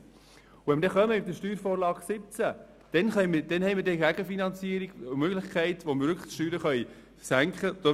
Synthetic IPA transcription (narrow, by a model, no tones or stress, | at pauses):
ʊɛnməɾdɛχœməmɪdəʃtyːɾfɔːɾlɑːɡ̥sɪp̚t͡sæ | d̥ɛnχɛjməd̥ɛnhɛɪməɾdɛɡæɡəfinɑnt͡siəɾiɡmøɡlɪχkχæɪtʋoməɾʋʏɾkʰəʃtyːɾəχœi | sæŋkχəd̥ɔ